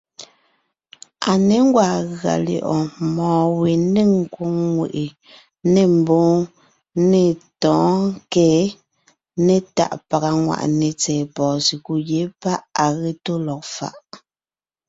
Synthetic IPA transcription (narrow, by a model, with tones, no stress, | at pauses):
a˨ne˨˦ŋ˦ɡwa˨ɣa̰˨ljɔ̰˨ʔɔ˨mɔ̃ː˨we˨ne˦˨ŋ̩˨kwo˦ŋŋwḛ˨ʔe˨ | ne˨m̩˨boː˦ | ne˨tɔ̃ː˨˦ŋ˦kɛː˦ | ne˦ta̰˨ʔpa˨ɣa˨ŋwa̰˨ʔne˨t͡sɛː˨pɔː˨si˨ku˨je˨˦pa˦ʔa˨ɣe˦to˦lɔ˨k̚fa̰˨ʔ